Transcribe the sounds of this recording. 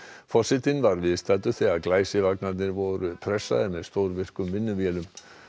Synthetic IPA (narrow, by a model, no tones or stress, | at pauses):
fɔsɪt̪ɪnvaɾvɪðst̪aːt̪ʏθɛaðklaːjsɪvaknat̪nɪɾvɔɾʏpʰɾɛsːa̰ðɪmɛðst̪oːwɾvɪr̥kʏmːɪnːʏvjɛlʏm